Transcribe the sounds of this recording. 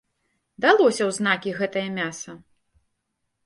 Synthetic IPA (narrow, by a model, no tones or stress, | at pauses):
d̪alˠɔsʲɐwznakʲiɣɛt̪ɐjɐmʲasɐ